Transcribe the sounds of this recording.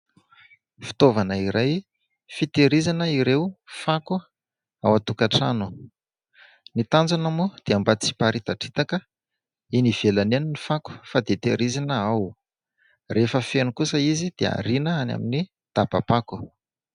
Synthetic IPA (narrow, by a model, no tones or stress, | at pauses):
fi̥t̪ovanəiɾʔaj | fit̪eɾizanəiɾewfaku | a̰wat̪ukaʈ͡ʂa̰nu | nit̪and͡zanamud̪̥eambat͡si̥paɾit̪aʈ͡ʂi̥t̪akə | iniv̥elaneninifaku̥fad̪et̪eɾizanəaw | refəfenukusəizid̪̥ea̰ɾinəana̰mini | d̪̥apapaku̥